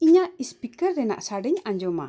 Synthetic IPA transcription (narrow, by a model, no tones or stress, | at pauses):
iɲaispikɛrdɛna̰ʔsaɖɛɲaɲd͡ʒɔma̰